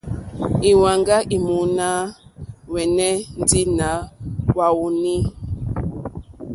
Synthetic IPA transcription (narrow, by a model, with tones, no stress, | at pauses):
i˨wa˨ŋɡa˦ʔi˨mu˨˦na˦ | wɛ˨nɛ˦n̩˦di˦na˨˦wa˦wu˦ni˦